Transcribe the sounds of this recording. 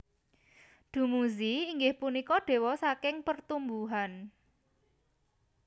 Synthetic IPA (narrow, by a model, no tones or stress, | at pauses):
ɖ̪̥ṳmuziːŋɡɪhpunikɔɖ̪̥e̤wɔsakɪŋpərt̪umbuɦan